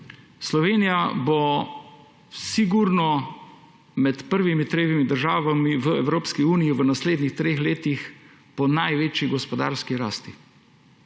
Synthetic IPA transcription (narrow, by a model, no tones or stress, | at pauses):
slɔʋeːnijabo | siɡuɾnɔ | mɛt̪pəɾʋimit̪ɾeːʋimid̪əɾʒaːʋamiʋəɛwɾoːpskiuːnijiʋənasleːd̪nixt̪ɾeːxleːt̪ix | pɔnajʋeːt͡ʃiɡɔspɔd̪a̰ːɾskiɾaːst̪i